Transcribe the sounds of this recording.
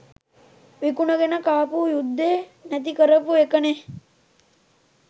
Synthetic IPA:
ʋikunɐɡenəkaːpuːjud̪ːeːnæt̪̬ikəɾəpuekəne

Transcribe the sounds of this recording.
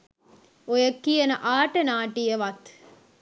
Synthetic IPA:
ojəkːijenəʔaːʈənaːʈijəʋat̪

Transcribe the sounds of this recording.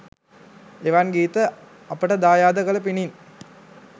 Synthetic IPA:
eʋanɡiːt̪ə | ɐpəʈəd̪aːjaːd̪ɐkɐləpinin

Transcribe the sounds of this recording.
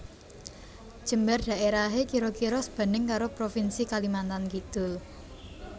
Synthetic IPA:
d̥ʒ̥ə̤mbarɖ̥a̤ʔeɾaɦekiɾokiɾɔsəb̥a̤nɪŋkaɾopɾofinsikalimant̪ankit̪ʊl

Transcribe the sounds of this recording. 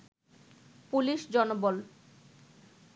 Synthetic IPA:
puliʃd͡ʑɔnobol

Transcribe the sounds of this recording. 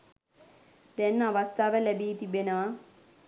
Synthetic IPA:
d̪ɛnːaʋast̪ʰaːʋəlæbeːt̪ibenəʋa

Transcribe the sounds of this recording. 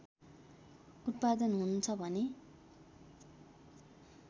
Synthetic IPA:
ut̪̚pad̪ʌnɦununt͡sʰʌbʱʌne

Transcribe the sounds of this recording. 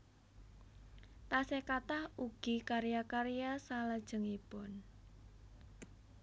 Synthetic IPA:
t̪asekat̪ahuɡ̥ikaɾijakaɾijasalad̥ʒ̥ə̤ŋipʊn

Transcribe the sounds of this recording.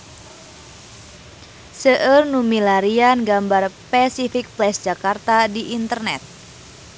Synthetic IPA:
səʔərnumilaɾianɡambarpasifik̚plɛsd͡ʒakart̪adiʔint̪ərnɛt̪̚

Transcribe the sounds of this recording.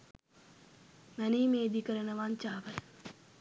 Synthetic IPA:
mæniːmeːd̪ikəɾənəʋaɲt͡ʃaːʋə

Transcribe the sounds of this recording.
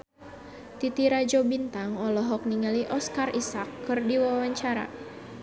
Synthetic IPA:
t̪it̪iɾad͡ʒobint̪aŋɔlɔɦɔk̚niŋaliʔɔskarisakːɨrdiwawaɲt͡ʃaɾa̰

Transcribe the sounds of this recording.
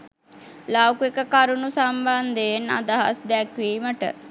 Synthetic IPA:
lawkuekəkaɾunusamband̪ejena̰d̪aɦa̰sd̪ɛkʋiːməʈə̰

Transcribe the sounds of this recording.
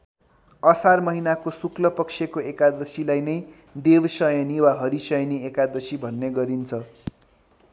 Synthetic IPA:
ʌsarmʌɦinakosuklʌpʌksʰjekoekad̪ʌsilajnʌj | d̪ewsʌjʌniwaɦʌɾisʌjʌniekad̪ʌsibʱʌnːeɡʌɾint͡sʰʌ

